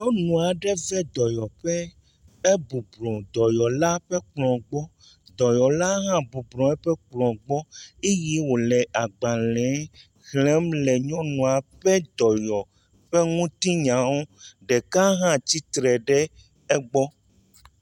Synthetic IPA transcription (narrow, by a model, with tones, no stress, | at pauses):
ɲɔ̃˦nũ˨a˨ɖɛ˦vɛ˦d̪ɔ˨jɔ˨ɸɛ˦ | e˦bu˨blɔ̃˨d̪ɔ˨jɔ˨la˦ɸɛ˦k͡plɔ̃˨ɡ͡bɔ˦ | d̪ɔ˨jɔ˨la˦ɦã˦bu˨blɔ̃˨ɛ˦ɸɛ˦k͡plɔ̃˨ɡ͡bɔ˦e˦ji˦wo˨lɛ˨a˨ɡ͡ba˨lɛ̃˨˦ | ɣlɛ̃˦mlɛ˨ɲɔ̃˦nũ˨a˨ɸɛ˦d̪ɔ˨jɔ˨ | ɸɛ˦ŋũ˦t̪i˦ɲã˨˦wo˦ɖɛ˨ka˦ɦã˦t͡ɕi˦t̪ɾɛ˨ɖɛ˦ | ɛ˦ɡ͡bɔ˦